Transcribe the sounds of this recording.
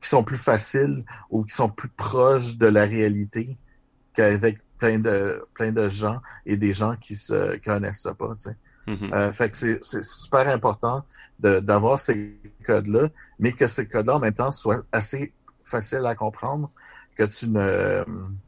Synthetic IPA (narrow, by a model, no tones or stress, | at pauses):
kʲi̥sɔ̃plyfasɪluk̬ʲi̥sɔ̃plypχɔʃd̪əlaʁealit̪e | kʲavɛk̚plɛ̃d̪əplɛ̃d̪əʒɑ̃ed̪eʒɑ̃kʲʰisə̰kikɔnɛ̰sə̰pʌ̰t͡se | əfɛksɛsɛssy̥pɛːʁɛ̃pɔʁt̪ɑ̃d̪əd̪avwaːʁsekɔd̪lʌmɛkəsekɔd̪laɑ̃mɛ̃mt̪ɑ̃swaase | fasɪlakɔ̃pχɑ̃ːd̪ʁ | kʲət͡synə̰m